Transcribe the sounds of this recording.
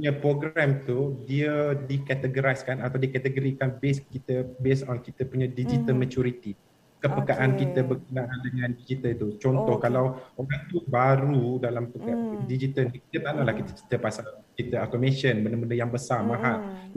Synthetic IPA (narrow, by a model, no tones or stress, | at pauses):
puɲapɾoɡɾamt̪udiədikɛt̪əɡəɾajskanat̪awdikat̪əɡoɾikanbeskit̪əbesɔnkit̪əpuɲãdid͡ʒit̪əlmat͡ʃuɾit̪i | kəpəkaʔankit̪əbərkənaʔandəŋãndid͡ʒit̪əlt̪ut͡ʃɔnt̪ɔhkalawoɾaŋt̪ubaɾudalampəɡadid͡ʒit̪əlkit̪ət̪analahkit̪ət͡ʃi̥t̪əpasalt͡ʃit̪əakomeʃənbəndəbəndəjaŋbəsarmãɦaʔ